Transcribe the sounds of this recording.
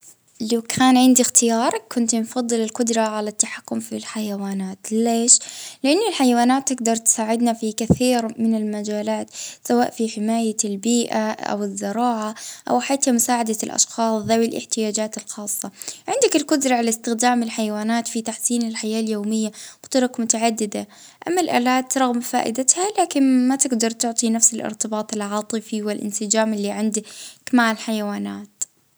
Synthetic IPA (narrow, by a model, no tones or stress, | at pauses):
lawkʰaːnʕɪnd̪ixt̪ɪjɑːɾˤkːʊnt̪nfɑðˤːɨlɪlqʊd̪ɾˤɑʕalat̪ːaħakːʊmfilħajawaːnaːt̪leːʃlɪʔanːɪlħajawaːnaːt̪ːɪɡd̪ɑɾˤt̪saːʕɪd̪nafikaθiːɾmɪnɪlmad͡ʒaːlaːt̪sawaːʔfiħɪmaːjalbiːʔaʔa̰wɪzːɪɾɑːʕaʔa̰wħaːt̪hamʊsaːʕad̪alʔɑ̰ʃxɑːsˤðawɪlʔɪ̰ħt̪ɪjaːd͡ʒaːt̪ɪlxɑːsˤːɑʕɪnd̪akɪlkʊd̪ɾˤɑʕalast̪ɪxd̪aːmɪlħajawaːnaːt̪fit̪aħsiːnɪlħajaːljoːmɪjːakʊd̪̥ɾˤɑkmʊt̪aʕad̪ːɪd̪a | ʔamːalʔa̰ːlaːt̪ɾˤɑɣmfa̰ːʔɪ̰d̪at̪halaːkɪnmat̪ɪɡd̪ɑɾˤt̪ʊʕt̪ˤinafsɪlʔɪ̰ɾt̪ɪbɑːt̪ˤɪlʕɑːt̪ˤɨfiwɪlʔɪ̰nsɪd͡ʒaːmɪlːiʕɪnd̪akmaʕɪlħajawaːnaːt̪